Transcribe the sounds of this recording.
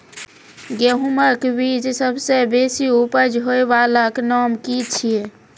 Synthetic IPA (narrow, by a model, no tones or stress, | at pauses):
ɡeɦuməkbid͡ʒsəbʱsebesiupəd͡ʒɦoebalaknɔmkit͡ʃʰie